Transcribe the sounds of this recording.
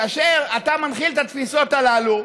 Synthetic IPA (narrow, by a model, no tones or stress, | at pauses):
aaʃeʁat̪amanχilt̪at̪fiso̞t̪alalu